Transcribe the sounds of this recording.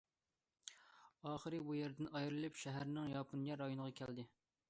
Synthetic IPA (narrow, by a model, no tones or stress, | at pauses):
ɑːχəɾɨbujɛɾd̪ɪnɑjɾɨlˠɨpʃæɦæɾnɪŋjɑpʰunjɛɾːɑjonəʁɑkʲʰɛld̪ɪ